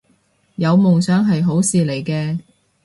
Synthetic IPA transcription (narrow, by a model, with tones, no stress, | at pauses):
jɐ˨˧wmʊ˨ŋsœː˨˥ŋɦɐ˨jɦo˨˥wsiː˨le˨˩jkɛː˧